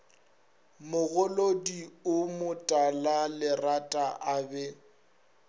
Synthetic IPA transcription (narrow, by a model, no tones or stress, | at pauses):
mʊɣʊlodiʊmʊtʼalalɪratʼaʔaːbɛ